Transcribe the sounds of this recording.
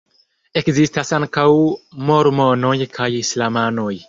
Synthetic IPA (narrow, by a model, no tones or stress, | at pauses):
e̞kzistasaŋkawmo̞ɾmo̞no̞jkʰajislamano̞j